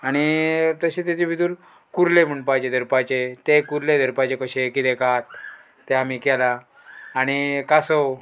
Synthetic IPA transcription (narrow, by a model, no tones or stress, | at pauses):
aɽ̃it̪əɕẽt̪et͡ɕebʱit̪uːɾ | kuɾlem̤əɳpajt͡ɕed̪ʱəɾpat͡ɕet̪ekuɾled̪ʱəɾpat͡ɕekəɕekit̪ekat̪ː | eam̤ikɛlaː | ɽ̃ikasɔ